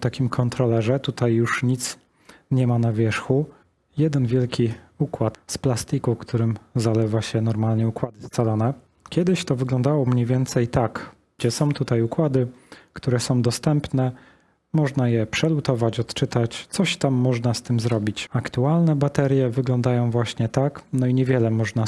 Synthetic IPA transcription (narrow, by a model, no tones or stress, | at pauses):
t̪akʲimkʰɔnt̪ɾɔlɛʐɛt̪ut̪ajːuʂɲit̪s | ɲɛmanavʲjɛʂxu | jɛd̪ɛnvʲjɛlkʲi | ukwat̪splast̪ikufkt̪uɾɘmzalɛvaɕɛnɔɾmalɲɛukwad̪ɘst̪salɔnɛ | kʲjɛd̪ɘɕt̪ɔvɘɡlɔ̃nd̪awɔmɲejvʲjɛnt̪sɛjt̪akɡd͡ʑɛsɔ̃w̃t̪ut̪ajukwad̪ɘkt̪uɾɛsɔ̃w̃d̪ɔst̪ɛmpnɛ | mɔʐnajɛpʂɛlut̪ɔvat͡ɕɔt̪t͡ʂɘt̪at͡ɕt̪sɔɕt̪amːɔʐnast̪ɘmzɾɔbʲit͡ɕakt̪ualnɛbat̪ɛɾʲjɛvɘɡlɔnd̪ajɔ̃w̃vwaɕɲɛt̪aknɔiɲɛvʲjɛlɛmɔʐna